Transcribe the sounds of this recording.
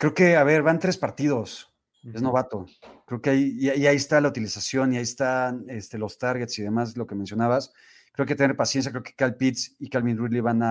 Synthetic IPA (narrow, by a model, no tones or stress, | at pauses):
kɾe̞oke̞aβe̞ɾβant̪ɾe̞spaɾt̪ið̞o̞s | ezno̞βat̪o̞kɾeokeajiaiaiest̪alaut̪ilisasjo̞niaiest̪anest̪elo̞st̪aɾɣet̪siðe̞maslo̞kemensjo̞naβas | kɾeok̬et̪enɾpasjens̬jakɾe̞oke̥kalpit̪sikalβinriliβana